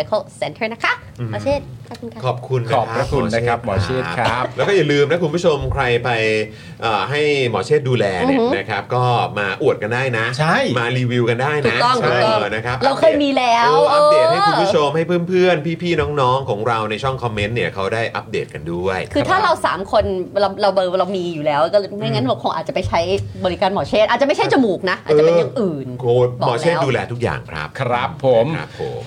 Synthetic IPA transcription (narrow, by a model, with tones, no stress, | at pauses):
a˧kʰa˥˩lse˧˦nt̪ʰə˥˩na˦˥kʰa˦˥˧ | e˥˩u˧kʰɔː˨˩p̚kʰu˧nkʰɔː˨˩˧ɾa˦˧kʰu˧˨˦nʰ˦˥eː˥a˦˥p̚mɔː˨˦t͡ɕʰeː˥˩˦a˦lɛː˦˥wkɔː˥˩ja˨˩lɯː˧mna˦˥ku˧npʰuː˥˩t͡ɕʰo˧mkʰɾa˧jpa˧j | ʔəː˨˩ɦa˥˩jmɔː˩˦t͡ɕʰeː˥˩t̪̚duː˧lɛː˧ne˨˦na˦˥kʰa˦˥p̚kɔː˥˩maː˧ʔu˨˩ət̪̚ka˧ndaː˥˩jna˦˥t͡ɕʰa˥˩jmaː˧ɾiː˧wi˧wka˧ndaː˥˩jna˦˥ɔ˥˩ŋa˥˩˥na˦˥kʰa˦˥p̚ɾa˧wkʰɤː˥˩jmiː˧lɛː˦˥wʔa˦˥p̚de˨˩t̚ha˥jkːmʰbu˥t͡ɕʰo˧mha˥˩jpʰɯː˥˩npʰɯ˥˩ənpʰiː˥˩pʰiː˥˩nɔː˦˥ŋnɔː˦˥ŋkʰɔː˩˦ŋɾa˧wna˧jt͡ɕʰɔ˥˩ŋkʰɔ˧mːe˦˥nni˥˩ɐkʰa˦˥wdaː˥˩jʔa̰˦˥p̚deː˨˩t̪̚ka˧ndu˥˩əjkʰɯː˧t̪ʰaː˥˩ɾa˧wsa̰ː˩˦mkʰo˧nɾa˧wɾa˧wɤː˧wɾa˧wmiː˧juː˨˩lɛː˦˥wkɔː˥˩lːma˥˩jŋa˦˥nɾa˧wkʰo˧ŋʔa̰ː˨˩t̪̚t͡ɕa˨˩pa˧jt͡ɕʰa˦˥jbɔː˧ɾi˦kaː˧nmɔː˨˩˦t͡ɕʰeː˥˩t̪ʔaː˨˩t̚t͡ɕa˨˩ma˥˩t͡ɕʰt͡ɕa˧muː˨˩k̚na˦˥ʔaː˨˩ɤːt͡ɕːe˧jaː˨˩ŋʔɯː˨˩nko˧bɔː˨ɔ̰ː˨˩t͡ɕːduː˧lɛː˧t̪ʰu˦˥k̚ja̰ː˨˩ŋkʰɾa̰˦˥p̚kʰɾa˦˥pʰːo˩˦mɾa̰˦pʰːo̰˨˩˦m